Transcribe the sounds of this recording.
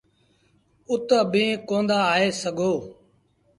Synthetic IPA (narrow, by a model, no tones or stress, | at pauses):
ʊt̪əbẽːkõːnd̪aːeːsəɡʱoː